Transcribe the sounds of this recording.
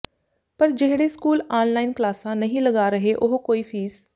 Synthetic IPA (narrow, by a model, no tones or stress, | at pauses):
pɐɾd͡ʒeɦɽeskuːlaːnlaːɪnklaːsãnɐɦĩləɡaːɾɐɦeʔʊɦkoːifʰiːz